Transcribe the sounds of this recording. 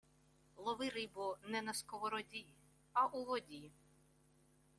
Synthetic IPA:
lˠɔʋɪɾɪbɔnɛnɐskɔʋɔɾɔdʲij | ɐʔulˠɔdʲiji

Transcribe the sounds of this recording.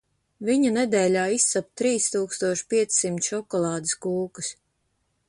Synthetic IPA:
viɲaned̪ɛːlʲaːisːap̚t̪ɾiːst̪uːkst̪uɔʃpʲiɛt̪sːimt̪ʃɔkɔlˠɑːd̪ɨskuːkɨs

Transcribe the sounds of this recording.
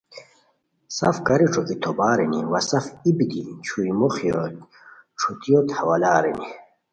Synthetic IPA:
sa̰fkaɾiʈ͡ʂʰokit̪ʰobaːɾiniwasafibid̪it͡ɕʰujmoχijo | ʈ͡ʂʰut̪ijot̪hawalaːɾḭni

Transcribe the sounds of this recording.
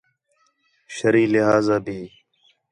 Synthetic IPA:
ʃəɾiːlɪɦaːzaːbʱiː

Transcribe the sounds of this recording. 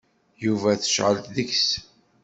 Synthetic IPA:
juvæθə̥ʃʕəlt̪ðəçs

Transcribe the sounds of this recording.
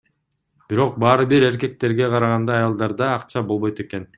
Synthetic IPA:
b̥iɾo̞q̚bɑːɾɯbiɾe̞ɾke̞k̚t̪e̞ɾɡe̞qʰɑɾɑʁɑnd̪ɑːjɑlˠd̪ɑɾd̪ɑːqt͡ʃɑbo̞lˠβo̞jt̪e̞ke̞n

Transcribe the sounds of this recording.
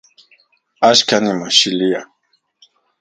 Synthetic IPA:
aʃkanimaʃilia

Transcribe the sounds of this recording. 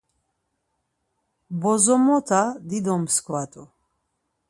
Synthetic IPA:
bɔzɔmɔt̪ʰad̪id̪ɔmskʰwat̪ʼu

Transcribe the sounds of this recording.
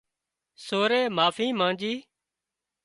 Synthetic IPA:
soːɾeːmaːfĩːmãːd͡ʒiː

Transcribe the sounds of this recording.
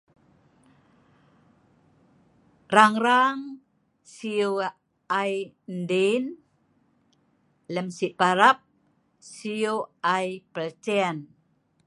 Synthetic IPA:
raŋɾaŋ | sio | aj | ndin | ləmsiʔpaɾap̚ | siuajpəlt͡sɛan

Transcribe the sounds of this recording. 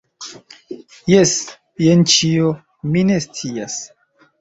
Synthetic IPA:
jes | jent͡ʃio | minest͡sias

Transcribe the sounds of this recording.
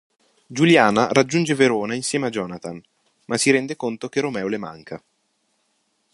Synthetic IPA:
d͡ʒuljaːnaɾad͡ʒːund͡ʒeveɾoːnainsjɛːmead͡ʒɔːnat̪an | masːiɾɛnd̪ekont̪ok̟eromɛːolema̰ŋkʰa

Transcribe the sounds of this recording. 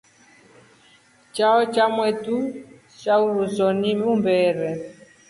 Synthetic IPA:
t͡ʃaɔt͡ʃamwɛtu | t͡ʃauɾusɔnimumbɛːɾɛ

